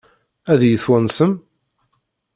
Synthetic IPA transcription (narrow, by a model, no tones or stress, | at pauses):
æðjəθwænsəm